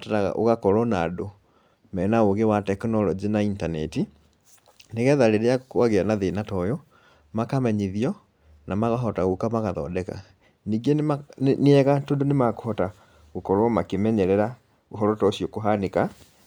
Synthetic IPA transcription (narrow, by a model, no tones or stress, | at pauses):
ataɾaɣa̰ʔo̰ɣakɔɾɔnaːdo | mɛnaoɣewatɛkɔnɔlɔd͡ʑenaintanɛti | neɣɛðaɾeɾejakaɣeanaðenatɔjɔ | makamɛɲiðiɔ | namaɣaɦɔtaɣokamaɣaðɔ̰ːdɛka̰ | niːɡeneɛɣatondonemako̥hɔta | ɣokɔɾwɔmakemɛɲɛɾɛɾa | oɦɔɾɔtɔsjɔkoɦaneka